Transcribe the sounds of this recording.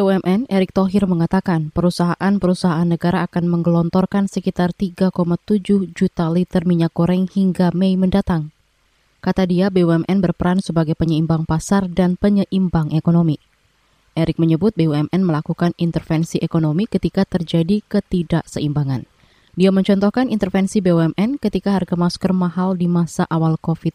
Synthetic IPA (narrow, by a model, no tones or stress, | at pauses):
beuɛmʔɛneɾɪk̚t̪oɦɪrməŋat̪akanpəɾusaɦaʔanpəɾusaɦaːnːəɡaɾaːkanməŋɡəlɔnt̪ɔrkansəkit̪art̪iɡakomat̪ud͡ʒʊhd͡ʒut̪alit̪ərmiɲakːoɾɛŋhiŋɡamejməndat̪aŋ | kat̪adiabeuɛmʔɛnbərpəɾansəbaɡajpəɲəimbaŋpasardanpəɲəʔimbaŋʔekonomi | ʔɛɾɪk̚məɲəbʊt̪̚beuɛmʔɛnməlakukanint̪ərfɛnsiʔekonomikət̪ikat̪ərd͡ʒadikət̪idaʔsəimbaŋan | diaməɲt͡ʃɔnt̪ɔhkanint̪ərfɛnsibeuɛmʔɛnkət̪ikaɦarɡamaskərmaɦaldimasaʔawalkofɪt̪̚